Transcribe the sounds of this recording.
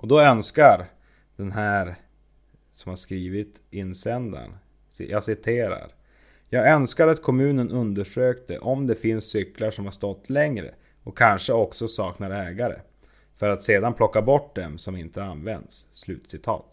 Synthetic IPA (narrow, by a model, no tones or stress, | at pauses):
ʔɔd̪ɔœnskaɾ | d̪̥ɛnɦæːɾ | sɔmhaʂkɾiːvɪt̪ | ɪnːsɛnd̪a̰n | jɑːsɪt̪ʰeːɾa̰ɾ | jɑːɡœnskaɾat̪kʰɔmʉ̟ːnənʔɵnd̪əʂøːkt̪ə̰ʔɔmd̪ɛfɪnsːʏklaʂɔmhaʂt̪ɔt̪ːʰlɛŋɾə̰ | ɔkʰːanʂəɔksɔsɑːknaɾɛːɡaɾə̰ | fœɾat̪seːd̪anpʰlɔkːabɔʈːd̪ɛmsɔmɪnt̪əanvɛ̰nd̪sːlʉ̟ːt̪sɪt̪ʰɑ̰ːt̪